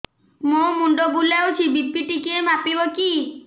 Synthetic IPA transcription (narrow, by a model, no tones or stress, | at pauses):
momuɳɖobulewt͡ʃʰibit̪piʈikemapiboki